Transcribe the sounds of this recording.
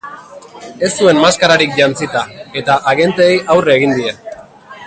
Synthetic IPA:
e̞st̪ue̞mmaskaɾaɾik̚ʝant͡sit̪ae̞t̪aʔːɣe̞nt̪eːjʔawreːɣind̪ie̞

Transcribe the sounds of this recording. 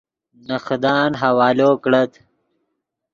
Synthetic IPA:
nəxd̪ɑːnɦɐwɑːloːkɽət̪

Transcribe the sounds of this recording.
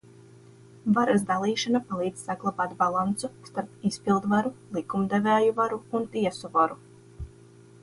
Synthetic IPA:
vaɾazd̪alˠiːʃanapalˠiːd̪zsaɡlˠabaːt̪balˠant̪sust̪aɾpispilˠd̪vaɾulˠikumd̪evɛːjuvaɾuːnt̪iɛsuvaɾu

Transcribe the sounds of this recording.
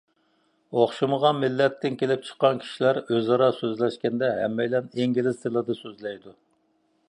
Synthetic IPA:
oχʃuməʁɑnmɪlːɛt̪ʰːɪnkʲʰelɪp̚t͡ʃʰə̥qːɑnkʲʰi̥ʃilæɾøzɑɾɑsøzlɛʃkʲɛnd̪ɛɦɛ̰mːɛjlɛneŋɡʲelɪzt̪ʰɨlˠɨd̪ɨsøzlɛjd̪u

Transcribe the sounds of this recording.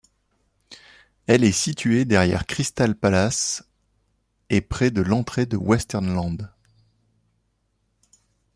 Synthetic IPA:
ɛlɛsit̪ʰɥed̪ɛʁjɛ̰ʁkχist̪alpalas | epχɛd̪əlɑ̃t̪χed̪əwɛst̪ɛʁnlɑ̃d̪

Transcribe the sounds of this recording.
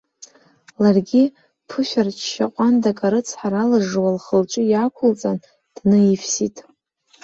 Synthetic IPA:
larɡʲi | pʰɨʃʷᶣart͡ʃʰʃaqʷʼandakʼaɾɨt͡sʰħaɾalaʐwalχəlʈ͡ʂʼɪjakʷʰʊlt͡sʼan | d̥nɨifsitʼ

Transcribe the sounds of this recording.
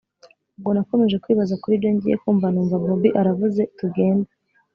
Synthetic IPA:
ub̚ɡo̞nako̞me̞ʒe̞kwiːβazakuɾiːbjo̞ɲɟḭje̞̰kuːmvanuːmvabobiʔaɾavuze̞tuɡe̞ːnda

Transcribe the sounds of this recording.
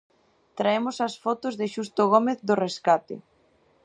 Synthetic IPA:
t̪ɾaemʊsɐsfɔt̪ʊzðɪʃust̪oɣ̞omeθðʊreskat̪ḛ

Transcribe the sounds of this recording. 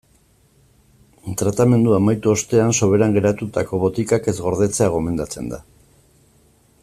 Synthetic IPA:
t̪ɾat̪ame̞nd̪uamajt̪uo̞st̪e̞anso̞β̞e̞ɾaŋɡe̞ɾat̪ut̪ako̞βo̞t̪ikake̞zɣo̞ɾð̞e̞t͡se̞aɣ̞o̞me̞nd̪at͡se̞̰nd̪a̰

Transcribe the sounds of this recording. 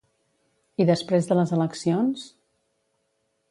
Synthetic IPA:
iðəspɾezðələzələksions

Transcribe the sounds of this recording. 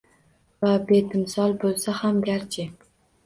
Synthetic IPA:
vabet̪ɪmsɒlˠbolˠsahamɡʲaɾt͡ʃʰɪ

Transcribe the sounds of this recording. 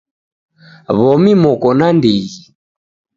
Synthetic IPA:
βɔmimɔkɔnandiɣi

